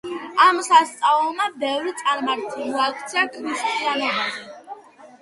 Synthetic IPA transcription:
amsast̪sʼavɛlˠmabɛvɾit̪sʼaɾmaɾt̪ʰʼiuliakʰt̪sʰiakʰɾist̪ʼianɔbai

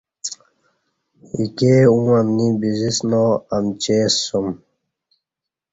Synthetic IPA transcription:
ikeũamnibizisnoɐmt͡ɕesum

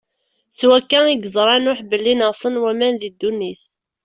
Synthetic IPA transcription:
swækːæiɡəzˤɾˤɑnʊħbəlːinəsˤənwæmænðid̪ːunːiθ

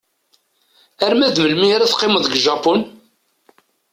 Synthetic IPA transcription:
æɾmæðməlmiaɾaθqːɪməðɡʒɑpun

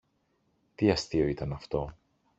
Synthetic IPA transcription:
t̪iɐst̪io̞it̪ɐnɐft̪o̞

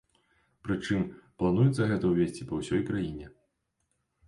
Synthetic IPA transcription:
pɾɨt͡ʂɨmplˠan̪ujɛt̪sːɐɣɛt̪ɐwvʲesʲt͡sʲipɐwsʲɔjkɾajinʲɛ

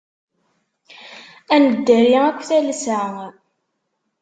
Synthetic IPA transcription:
ænəd̪ːæɾiækʷːθæls

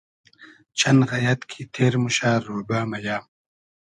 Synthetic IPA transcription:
t͡ɕʰɐnɣɐjɐt̪kʰit̪ʰeːɾmuɕaːɾoːbaːmɐjaːm

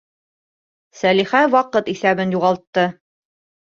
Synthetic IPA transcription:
sæliχæwɑqɤt̪iθæβɘnjuʁɑlˠt̪ːɤ

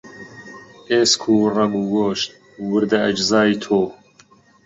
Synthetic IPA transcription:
eːskʰuːrɐmuwoːʃt̪̚ | wʊɾd̪ɐɐd͡ʒzaːjt̪ʰoː

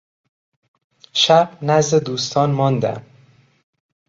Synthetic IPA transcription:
ʃæb̥næzd̪ed̪uːst̪ʰɒːnmɒːnd̪æ̰m

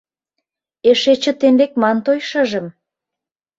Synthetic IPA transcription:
eʃet͡ɕə̆t̪embek̚mɑnt̪ojʃəʒə̆m

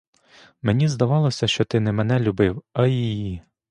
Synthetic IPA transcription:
menʲizd̪ɐʋɑlˠɔsʲɐʃt͡ʃɔt̪ɪnɛmenɛlʲʊbɪwɐjiji

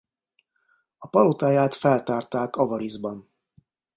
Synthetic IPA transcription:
ɒpɒlot̪aːjaːt̪fɛlt̪aːrt̪aːkɒvɒɾizbɒn

